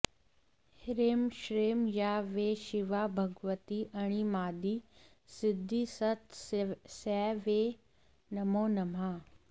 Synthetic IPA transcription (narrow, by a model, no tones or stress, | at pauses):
hɪɾeːmʃɾeːmjaːʋeːʃɪʋabʱɐɡʋət̪iʔɐɽ̃imaːd̪i | sɪd̪ʱːisɐt̪sɛːʋeː | nɐmoːnɐm̤a